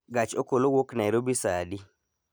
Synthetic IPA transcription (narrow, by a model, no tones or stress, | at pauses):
ɡat͡ʃokolowoknaiɾobisadi